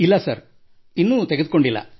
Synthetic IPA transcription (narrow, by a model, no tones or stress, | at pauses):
ilːɐsɐɾ | inːut̪eɡeuko̞ɳɖilːɐ̰